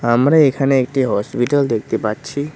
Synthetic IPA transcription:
əmɾeekʰaneek̚ʈiɦɔspiʈəld̪ek̚ʰt̪ipatːt͡ʃʰi

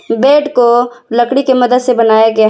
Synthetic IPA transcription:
beːʈkolɐkɽikemɐd̪əd̪sebɐnaːjaɡɐja

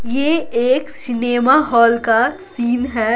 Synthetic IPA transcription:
jeːeːksɪneːmaɦɔːlkasiːnɦɛː

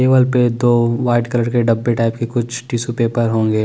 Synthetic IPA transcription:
eːʋəlped̪oːʋaːɪɖkɐləɽkeɖɐbːeʈaːɪp̚kekʊt͡ʃʰʈiːsupeːpəɾɦõːŋɡeː

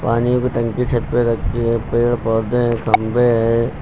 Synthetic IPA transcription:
paːnijõkoʈɐ̃ŋkit͡ʃʰɐt̪̚peɾɐkʰːiɦɛ̃peːɭpɔːɾd̪eɦɛ̃kʰɐmbeɦɛ

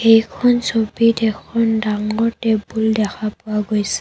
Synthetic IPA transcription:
ejkʰɔnsobitɛkʰɔndaŋɔɹtɛbuldɛkʰapʊwaɡojsɛ̥

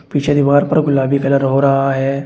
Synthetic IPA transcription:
piːt͡ʃʰed̪iʋaːɾpɐɾɡʊlaːbikɐləɾɦoɾɐɦaɦɛː

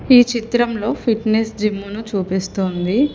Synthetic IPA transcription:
iːt͡ʃit̪ɾɐmlo̞ːpʰiʈnesd͡ʒimːunut͡ʃuːpist̪oːnd̪i

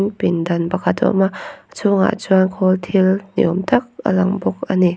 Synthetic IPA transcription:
npindanbakʰatʰɔ̰mat͡ʃʰuŋa̰d͡ʒuankʰɔltʰilnḭɔmtʰak̚a̰laŋbɔk̚ani

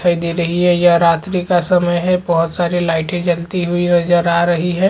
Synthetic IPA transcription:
əid̪iɾɐɦiɦɛjaɾaːt̪ɾikasɐməjɦɛbɐɦʊt̪saːɾilaːɪʈẽd͡ʒɐlt̪iɦʊinɐzəɾaːɾɐɦiɦɛ̃ː

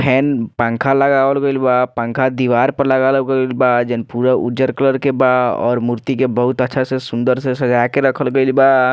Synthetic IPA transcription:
pʰɛːnpə̃ŋkʰaləɡaːʋəlɡəɪlbaːpə̃ŋkʰad̪iːʋaːɾpəɾləɡaːlɡəlbaːd͡ʒənpuːɾaʊ̰d͡ʒəɾkələɾkebaːdɔ̰ːɾmuɾt̪ikebəɦʊt̪ətːʃʰasesʊ̃nd̪əɾsesɐd͡ʒaːkeɾəkʰəlɡəɪlbaː

